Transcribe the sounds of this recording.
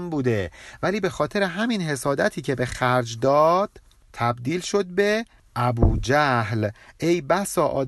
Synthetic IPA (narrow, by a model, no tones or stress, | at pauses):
mbuːd̪e̞væliːbe̞xɒːt̪ʰe̞ɾe̞ɦæminhe̞sɒːd̪æt̪ʰiːcʰe̞be̞xæɾd͡ʒd̪ɒːd̪̥ | t̪ʰæbd̪iːlʃo̞d̪̚be̞ | ʔæbuːd͡ʒæhlʔejbæsɒːʔɒːd̪